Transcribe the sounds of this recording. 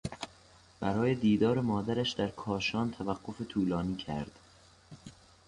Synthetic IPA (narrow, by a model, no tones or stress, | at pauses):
b̥æɾɒːje̞d̪iːd̪ɒːɾemɒːd̪æɾæʃd̪æɾkʰɒːʃɒːnt̪ʰævæɢːo̞fet̪ʰuːlɒːniːcʰæ̰ɾd̪̥